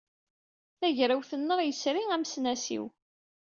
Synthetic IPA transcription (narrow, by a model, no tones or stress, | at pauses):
θæʝɾæwθənːəɾjəsɾiæmsnæsḭw